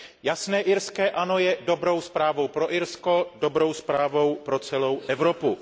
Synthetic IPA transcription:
jasnɛːʔɪɾskɛːʔanojɛdo̞bɾo̞wspɾaːvo̞wpɾo̞ʔɪɾsko̞do̞bɾo̞wspɾaːvo̞wpɾo̞t͡sɛlo̞wʔɛvɾo̞pu

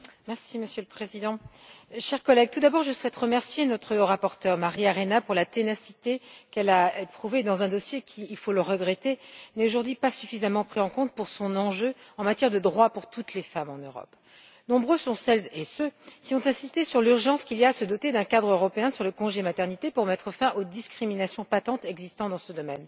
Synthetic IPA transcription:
mɛʁsiməsjøləpχezid̪ɑ̃ʃɛʁkɔlɛɡ̚t̪ud̪abɔʁʒəswɛt̪ʁəmɛʁsjenɔt̪χəʁapɔʁt̪œʁmaʁiaʁenapuʁlat̪enasi̥t̪ekɛlaepχuved̪ɑ̃zɛ̃d̪ɔsjekʲʰiːlfoləʁəɡʁet̪enɛt̪oʒuʁd̪ɥipasyfizamɑ̃pχizɑ̃kɔ̃t̪̚puʁsɔ̃nɑ̃ʒøɑ̃mat̪jɛʁd̪əd̪ʁwapuʁt̪ut̪lefamɑ̃nøʁɔ̰p | nɔ̃bʁøsɔ̃sɛlzesøkʲiɔ̃t̪ɛ̃sist̪esyʁlyʁʒɑ̃skʲilijaːsəd̪ɔt̪ed̪ɛ̃kad̪ʁøʁɔpeɛ̃syʁləkɔ̃ʒemat̪ɛʁnit̪epuʁmɛt̪χəfɛ̃ʔod̪iskχiminasjɔ̃pat̪ɑ̃t̪ɛɡzist̪ɑ̃d̪ɑ̃səd̪ɔmɛ̰n

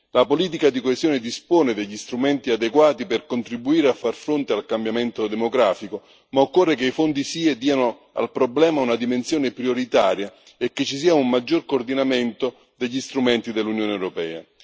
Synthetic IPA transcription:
lapoliːt̪̬ikad̪ikoezjoːnɪd̪ispoːnɪd̪eʎːist̪ɾumɛnt̪iad̪ekwaːt̪iperkont̪ɾibːuiːɾeafːarfɾont̪ealkambjament̪od̪emoɡɾaːfiko | maokːorːekeifond̪isiːed̪iːano | a̰lpɾoblɛːmaunad̪imensjoːnɪpɾioɾit̪aːɾja | ekːet͡ʃːis̬iːaummad͡ʒːorkord̪inamɛnt̪o | d̪eʎːist̪ɾumɛnt̪id̪elːunjoːneɛwɾopɛːa̰

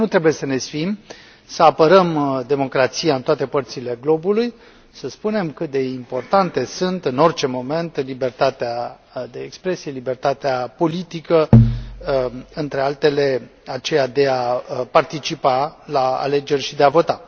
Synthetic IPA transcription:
nut̪ɾe̞buje̞səne̞sfim | səapəɾəmd̪e̞mo̞kɾat̪sijaɨnt̪oat̪e̞pərt̪sile̞ɡlo̞buluj | səspune̞mkɨt̪̚d̪e̞impo̞rt̪ant̪e̞sunt̪ɨno̞rt͡ʃe̞mo̞me̞nt̪libe̞rt̪at̪ea | d̪e̞ːkspɾe̞sie̞libe̞rt̪at̪eapo̞lit̪ikə | ɨnt̪ɾe̞alt̪e̞le̞at͡ʃe̞jad̪e̞apart̪it͡ʃipalaa̰le̞d͡ʒe̞rʲʃid̪e̞avo̞t̪a

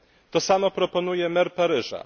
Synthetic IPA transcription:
t̪ɔsamɔpɾɔpɔn̪ujɛmɛɾpaɾɘʐa̰

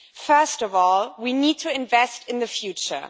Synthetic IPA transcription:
fɜ˞stɔvɔlˠwinid̚tʰɨɪ̃ɱvɛstɨ̃nðɨfjʉt͡ʃə̰˞

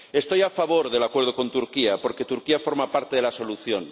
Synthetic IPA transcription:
e̞st̪o̞jafaβ̞o̞ɾðelakwe̞ɾðoko̞nt̪uɾkiapo̞ɾke̞t̪uɾkiafo̞ɾmapaɾt̪eðelaso̞luθjon

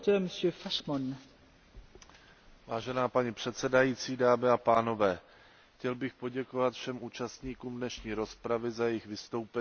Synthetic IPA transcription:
təməsjøːfaʃmɔn | vaːʒɛnaːpaɲipr̝̥ɛt̪sɛdajiːt͡siːdaːmɪapaːno̞vɛː | xcɛlbɪxpo̞ɟɛko̞vat̪fʃɛmʔuːt͡ʃast̪ɲiːkuːmdnɛʃɲiːɾo̞spɾavɪzajɛjɪxvɪst̪o̞wpɛ

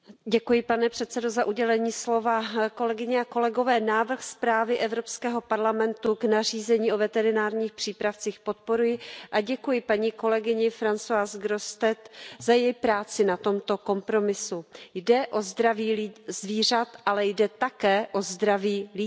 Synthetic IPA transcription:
ɟɛkujɪpanɛpr̝̥ɛt̪t͡sɛdo̞zaʔuɟɛlɛɲiːslo̞vako̞lɛɡɪɲɛako̞lɛɡo̞vɛːnaːvr̩xspɾaːvɪʔɛvɾo̞pskɛːɦo̞paɾlamɛnt̪uɡnariːzɛɲiːʔovɛt̪ɛɾɪnaːɾɲiːxpr̥iːpɾaft͡siːxpo̞t̪̚po̞ɾujɪʔaɟɛkujɪpaɲiːko̞lɛɡɪɲɪfɾant͡soaːsɡɾo̞st̪ɛt̪z̥ajɛjpɾaːt͡sɪnat̪o̞mt̪o̞ko̞mpɾo̞mɪsujdɛʔo̞zd̪ɾaviːlizviːr̝at̪ʔalɛjdɛt̪akɛːʔo̞zd̪ɾaviːli

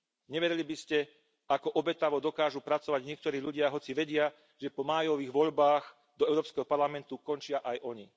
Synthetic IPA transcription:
ɲɛʋɛɾɛlibiscɛ | akɔʔɔbɛt̪aʋɔd̪ɔkaːʒupɾat͡sɔʋaɟɲɪɛk̚t̪ɔɾiːʎuɟɪaɦɔt͡siʋɛɟɪa | ʒ̥ɛpɔmaːjɔʋiːɣʋɔʎbaːx | d̪ɔɛʊɾɔːpskɛɦɔpaɾlamɛnt̪ukɔnt͡ʃɪaʔajʔɔɲi

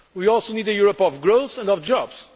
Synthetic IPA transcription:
wiɔlˠsonid̪ɨjuɹɔpɔvɡɹosɛ̃ndɔvd͡ʒɔbz̥

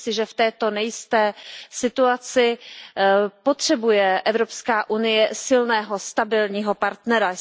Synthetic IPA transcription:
sɪʒɛft̪ɛːt̪o̞nɛjɪst̪ɛːsɪt̪uat͡sɪ | po̞t̪r̝̥ɛbujɛʔɛvɾo̞pskaːʔunɪjɛsɪlnɛːɦo̞st̪abɪlɲiːɦo̞paɾt̪nɛɾa

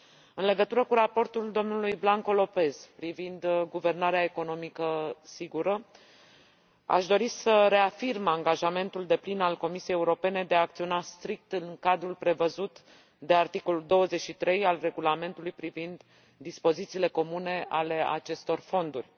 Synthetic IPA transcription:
ɨnle̞ɡət̪uɾəkuɾapo̞rt̪uld̪o̞mnulujblaŋko̞lo̞pe̞z̥pɾivind̪ɡuve̞rnaɾeae̞ko̞no̞mikəsiɡuɾə | a̰ʃd̪o̞ɾisəɾe̞afirmaŋɡaʒame̞nt̪uld̪e̞plinalko̞misiejeuɾo̞pe̞ne̞d̪eaːk̚t̪sio̞nast̪ɾik̚t̪ɨŋkad̪ɾulpɾe̞vəzut̪ | d̪e̞art̪iko̞luld̪o̞wəze̞t͡ʃʃit̪ɾe̞jalre̞ɡulame̞nt̪ulujpɾivind̪ː | ispo̞zit̪siːle̞ko̞mune̞a̰le̞a̰t͡ʃe̞st̪o̞rfo̞nd̪urʲ

